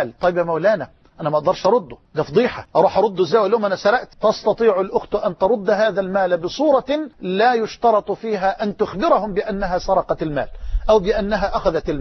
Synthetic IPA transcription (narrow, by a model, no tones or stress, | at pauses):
lt̪ˤɑjɪbjæmawlaːnæ | ʔanæmæʔɑɡ̚d̪ɑɾˤʃʔɑɾˤʊd̪ːʊd̪æːfd̪ˤiːħaʔɑɾˤuːħʔɑɾˤʊd̪ːʊzːaːwælːjoːmʔænæsæɾɑʔt̪t̪ɑst̪ɑt̪ˤiːʕʊlʔʊxt̪ʔant̪ɑɾˤʊd̪ːɦaːðalmaːlbɪsˤuːɾˤɑlaːjʊʃt̪ɑɾˤɑt̪ˤfiːɦaːʔant̪ʊxbɪɾɑhʊmbɪʔanːaɦaːsɑɾˤɑqɑt̪ɪlma̰ːlʔawbɪʔanːaɦaːʔaxaðæt̪ɪl